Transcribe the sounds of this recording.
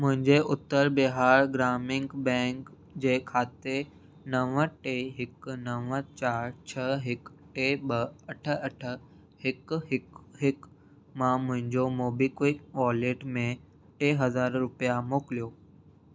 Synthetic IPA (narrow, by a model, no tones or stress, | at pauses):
mʊ̃ɦɪ̃ɲd͡ʑeʔʊt̪ːəɾbeɦaːɾɡɾaːmɪ̃ŋɡbɛ̃ːŋk | d͡ʑeːkʰaːt̪e | nɐʋəʈeɦɪknɐʋət͡ɕaːɾt͡ɕʰɐɦɪkʈeɓɐɐʈʰə̆ɐʈʰə̆ | hɪkɦɪkɦɪk | mãmʊ̃ɦɪ̃ɲd͡ʑomoːbikikʋaːleːʈmẽ | ʈeːɦɐzaːɾɾʊpijamoːkɪlijoː